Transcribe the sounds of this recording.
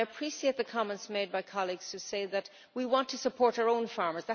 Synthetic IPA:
əpʰɹ̥isieɪt̪̚ðɨkʰɑmɛ̃ntsmeɪd̚baɪkʰɑlˠiɡz̥tʰɨseɪðɨt̚ | wiwɑ̃ntʰɨsəpʰɔɹɾəə˞õʊ̃nfɑɹmə˞zðə

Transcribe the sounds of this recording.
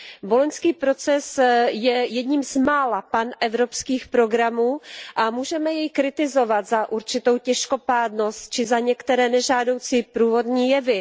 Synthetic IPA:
bolonskiːpɾo̞t͡sɛsjɛjɛdɲiːmzmaːlapanʔɛvɾo̞pskiːxpɾo̞ɡɾamuːʔamuːʒɛmɛjɛjkɾɪt̪ɪzo̞vat̪zaʔuɾt͡ʃɪt̪o̞wcɛʃko̞paːdno̞st̪̚t͡ʃɪzaɲɛkt̪ɛɾɛːnɛʒaːdo̞wt͡siːpɾuːvo̞dɲiːjɛvɪ

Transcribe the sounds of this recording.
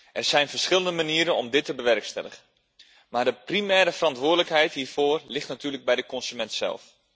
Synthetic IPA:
ʔɛrz̥ɛjnfərsχɪlˠəndəmaniːɾənɔmdɪtːəbəʋɛrkstɛ̰ləχən | maːɹdəprimɛːɾəfərɑntʋʊːdələkɦɛjtɦiːvoːrlɪχtnatyːrləɡ̚bɛjdəkɔnsymɛntsɛ̰lˠf

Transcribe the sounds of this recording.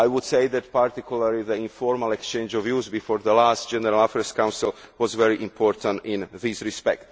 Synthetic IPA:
ajwud̪sejðɛt̪paɾt̪ikulaɾliðəĩɱfɔɹmalɛkst͡ʃẽnd͡ʒɔvjuzbifɔːɾðəlast̪d͡ʒɛnəɾalafɛɾskãw̃nsilˠ | wɔzvɛɹiʔĩmpʰɔɹt̪ãntĩnðisɹispɛk̚t

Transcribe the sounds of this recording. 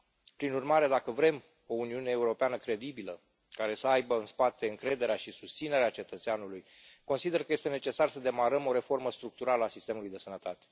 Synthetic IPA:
pɾinurmaɾe̞d̪akəvɾe̞m | o̞uniune̞ːuɾo̞peanəkɾe̞d̪ibilə | kaɾe̞səajbəɨnspat̪e̞ɨŋkɾe̞d̪e̞ɾeaʃisust̪sine̞ɾeat͡ʃe̞t̪ət̪seanuluj | ko̞nsid̪e̞rkəje̞st̪ene̞t͡ʃe̞sarsəd̪e̞maɾəmo̞ɾe̞fo̞rməst̪ɾuk̚t̪uɾaləasist̪e̞mulujd̪e̞sənət̪at̪e̥

